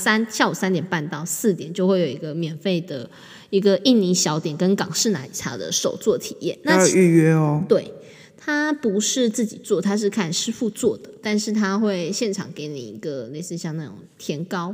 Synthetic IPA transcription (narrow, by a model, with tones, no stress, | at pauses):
sa˥nɕja˥˩u˨˩sa˥nt̪jɛ˨˩npa˥˧nt̪ɑ˥˧ʊsɹ̩˥˩t̪jɛ̰˨˦nt͡ɕjo˥˧ʊxwe˥˩ɪjo˨˩i˧˥ɡə˧mjɛ˨˩nfe˥˩ɪd̪ə˩ | i˧˥ɡə˨ʔi˥˩nni˧˥ŋɕjɑ˧˥ʊt̪jɛ˨˩nkə˦nkɑ˨˩ŋʂɻ̩˥˩na˧˦˥ḭ˨˩t̪ʰa̰˥˩d̪ə̰˨ʂo˨˩ʊt͡swɔ˥˩t̪ʰi˨˩jɛ̰˥˩nna˥˧˥o˨˩y˥˩ɥɛ˥ɔ˧t̪we˥˩ɪ | t̪ʰa˥pu˨˧˥ʂɻ̩˥˧t͡sɹ̩˥˩t͡ɕi˨˩t͡swɔ˥˨t̪ʰa˥ʂ̬ɻ̩˥˧kʰa˥˩nʂɻ̩˥fu˥˧t͡swɔ˥˩d̪̥ə˩t̪a˥˧nʂɻ̩˥˩t̪ʰa˥xwe˥˧ɪɕjɛ˥˩nʈ͡ʂʰɑ̰˨˩˦ŋke˧˥ɪnḭ˨˩i˧˥ɡə˧ne˧˥˩ɪt͡sɹ̩˥˧ɕjɑ˥˧ŋna˥˩ʈ͡ʂʊ̰˨˩ŋt̪ʰjɛ˧˥nkɑ˥ʊ